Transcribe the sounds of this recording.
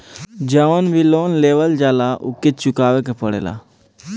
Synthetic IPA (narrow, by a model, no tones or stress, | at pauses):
d͡ʒəonbʱiloːnleːʋəld͡ʒaːlaʔʊ̰kːit̪t͡ʃʊkaːʋekepəɽḛːla̰ː